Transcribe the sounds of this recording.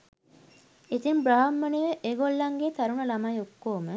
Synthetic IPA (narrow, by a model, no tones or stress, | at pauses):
it̪imbɾɐɦɐmːɐniʋəʔeːɡolːɐŋɡet̪ɐɾuɳɐlɐmajokːoːmə